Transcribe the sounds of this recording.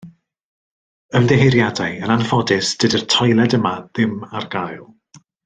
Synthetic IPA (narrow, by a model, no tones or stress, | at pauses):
əmdɛɦejɾjadajənanfɔdɪsd̥ɨdərtʰɔjlˠɛdəmaðɪmarɡajlˠ